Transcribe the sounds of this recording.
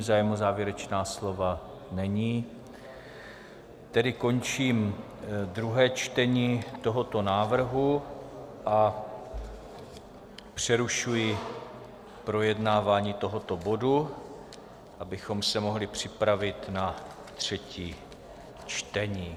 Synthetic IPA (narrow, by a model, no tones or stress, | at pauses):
zaːjmozaːvjɛɾɛt͡ʃnaːslo̞va | nɛɲiː | t̪ɛdɪko̞nt͡ʃiːm | d̪ɾuɦɛːt͡ʃt̪ɛɲiːt̪o̞ɦo̞t̪o̞naːvr̩ɦu | ʔa | pr̝̥ɛɾuʃujɪ | pɾo̞jɛdnaːvaːɲiːt̪o̞ɦo̞t̪o̞bo̞du | ʔabɪxo̞msɛmo̞ɦlɪpr̝̥ɪpɾavɪt̪na | t̪r̝̥ɛciː | t͡ʃt̪ɛɲiː